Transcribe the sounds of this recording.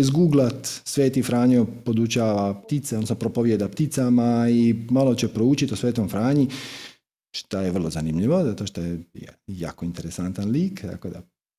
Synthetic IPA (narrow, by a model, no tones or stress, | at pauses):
izɡuɡlˠat̪sʋe̞ːt̪ifɾaːɲopod̪ut͡ʃaːʋapt̪it̪sed̪nosnopɾopoʋjed̪apt̪it̪samaimalˠot͡ɕepɾouːt͡ɕit̪osʋeːt̪omfɾaːɲi | ʃt̪ajeʋrlˠo̞zanimʎiʋo̞zat̪oʃt̪ojḛja̰ːkoint̪eɾesant̪anliːkt̪a̰kod̪a̰